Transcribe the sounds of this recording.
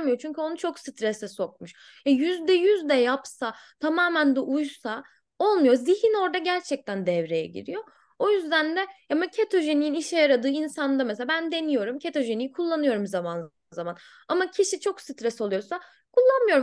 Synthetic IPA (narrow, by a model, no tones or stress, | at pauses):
mɯjo̞t͡ʃʰyɲcʰyo̞nut͡ʃʰo̞ksɯt̪ɾɛsɛso̞k̚muʃ | jajyzd̪ɛjyzd̪ɛjapsat̪ʰamaːmænd̪ɛʔujsa | o̞lˠmujo̞zihino̞ɾd̪aɟæɾt͡ʃʰɛc̚t̪ʰænd̪ɛvɾe̞jɛ̰ɟḭɾḭjo̞ | ojyzd̪ænd̪ɛamacʰet̪ʰo̞ʒenijiniʃɛjaɾad̪ɯːinsand̪ameseabænd̪e̞nijo̞ɾumcʰe̞t̪ʰo̞ʒe̞nijikʰulˠːanɯjo̞ɾumzaman | zaman | amacʰiʃit͡ʃʰo̞ksɯt̪ɾɛsolˠujo̞sa | kʰulˠːanmɯjo̞ɾu